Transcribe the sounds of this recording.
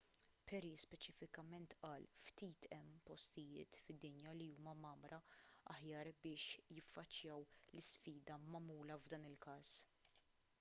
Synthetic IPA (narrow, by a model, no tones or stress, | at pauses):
pʰɛɾispɛt͡ʃɪfɪkɐmɛnt̪ʔɐːlft̪iːt̪ʰɛmːpɔst̪ɪjɪ̰ːt̪fɪd̪ːɪnjɐliuːmɐmɐːmɾʔɐɐ̰ħjɐːɾbɪːʃjɪfːɐt͡ʃːjɐːwlɪsfiːd̪ɐmɐmuːlɐvd̪ɐːnɪlkɐːs